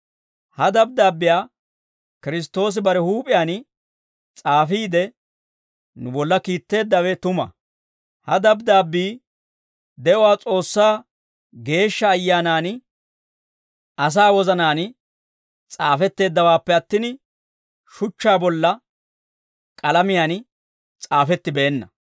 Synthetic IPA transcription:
hɐd̪ɐb̚d̪aːbːɪjaː | kɪɾɪs̬t̪ːo̞ːs̬ɪbɐɾɛhuːpʼɪjaːn | t͡sʼaːfiːd̪ɛ | nʊbɔlːɐkiːt̪ːe̞ːd̪ːɐwɛt̪ʊmɐ̰ | hɐd̪ɐbd̪aːbːiː | d̪ɛʔʊwaːt͡sʼo̞ːsːaː | ɡe̞ːʃːɐːjːaːnaːn | ɐs̬aːwɔzɐnaːn | t͡sʼaːfɛt̪ːe̞ːd̪ːɐwaːpːɛɐt̪ːɪn | ʃʊt͡ʃːaːbɔlːɐ | kʼɐlɐmɪjaːn | t͡sʼaːfɛt̪ːɪbɛːnːɐ̰

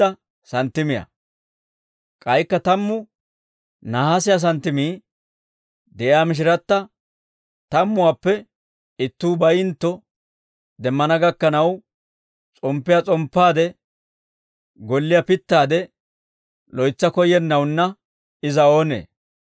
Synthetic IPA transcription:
ɐ | sɐnt̪ːɪmɪjɐ̰ | kʼɐjkːɐt̪ɐmːʊ | naːhasɪjas̬ɐnt̪ːɪmiː | d̪ɛʔɪaːmɪʃ̬ɪɾɐt̪ːɐ | t̪ɐmːʊwaːpːɛ | ɪt̪ːuːbɐjɪnt̪ːɔ | d̪ɛmːɐnɐɡɐkːɐnɐw | t͡sʼɔmpːɪjat͡sʼɔmpːaːd̪ɛ | ɡɔlːɪjɐpɪt̪ːaːd̪ɛ | lɔjt͡sːɐkɔjɛnːɐwnːɐ | ɪzɐo̞ːnḛː

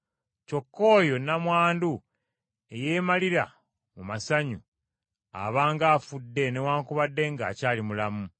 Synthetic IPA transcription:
co̞kːo̞ːjo̞namwaːndu | e̞jeːmaliɾa̰ | mumasaɲu | a̰βaːŋɡaːfudːe̞ne̞waːŋkuβadːe̞ŋɡa̰ːcaːlimulamu

